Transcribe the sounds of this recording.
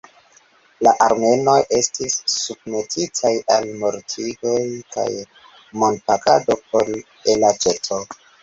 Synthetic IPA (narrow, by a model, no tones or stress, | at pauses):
laʔaɾme̞no̞je̞stisːub̚me̞tʰitʰajalmo̞ɾtʰivojka̰j | mo̞npaka̰do̞p̚ʰo̞l | elat͡ʃe̞to